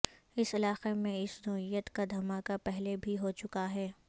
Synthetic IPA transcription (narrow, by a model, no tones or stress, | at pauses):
ɪsɪlaːqemẽɪsnɔːɪjət̪kad̪ʱɐmaːkapɛɦlebʱiɦot͡ʃʊkaɦɛː